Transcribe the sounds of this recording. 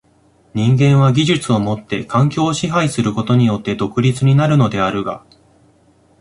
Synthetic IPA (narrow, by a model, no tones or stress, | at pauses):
ɲ̟ĩŋɡẽ̞ɰ̃βaɡʲiʑɨt͡sɨo̞mo̞t̪ːe̞kãŋkʲo̞ːɕiɦaisɨɾɯ̟ko̞t̪o̞ɲ̟ijo̞t̪ːe̞d̪o̞kɯ̟ɾʲit͡sɨɲ̟inaɾɯ̟no̞d̪e̞aɾɯ̟ɡa̰